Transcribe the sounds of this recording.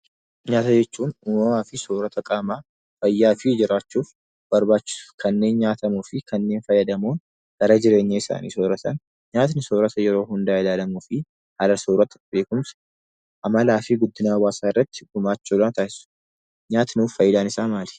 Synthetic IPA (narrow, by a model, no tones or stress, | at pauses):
ɲaːt̪ɐd͡ʒɛt͡ʃːuːnʊmɐmaːfɪsoːɾɐt̪ʰɐkʼaːmaː | fɐjːaːfɪd͡ʒɪɾaːt͡ʃːuːf | b̥ɐɾbaːt͡ʃːɪ̥sʊ̥fkʰɐnːe̞ːnɲaːt̪ɐmuːfɪkʰɐnːe̞ːnfɐjːɐd̪ɐmoːn | ɡ̥ɐɾɐd͡ʒɪɾe̞ːɲːaɪsa̰ːnḭːsoːɾɐt̪ɐn | ɲaːt̪nɪsoːɾɐt̪ɐjɛɾo̞ːhʊnd̪aːɪlaːlɐmuːfɪ | hɐlɐsoːɾɐt̪ɐbe̞ːkʊms | ʔɐmɐlaːfɪɡʊd̪ːɪnaːwaːsaːɪrːɐt̪ːɪɡʊmaːt͡ʃːolaːt̪ʰaːɪsʊ̥ | ɲaːt̪nuːfɐjːɪd̪aːnɪsaːmaːlɪ̥